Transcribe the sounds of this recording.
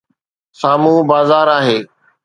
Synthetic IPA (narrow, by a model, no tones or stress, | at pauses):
saːmũːbaːzaːɾaːɦeː